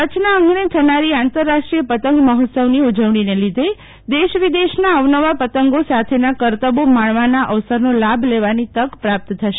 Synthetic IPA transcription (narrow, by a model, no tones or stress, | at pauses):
kət͡ʃnaə̃ŋɡnet̪ʰənaɾiãnt̪əɾːaʃʈɾijəpət̪əŋɡməɦɔt̪səʋniud͡ʒəʋɳ̃inelid̪ʱe | d̪eʃʋid̪eʃnaəʋnəʋapət̪əŋɡosat̪ʰenakəɾt̪əbomaɳʋanaʔəʋsəɾnolabʱleʋanit̪əkpɾap̚t̪t̪ʰːəʃe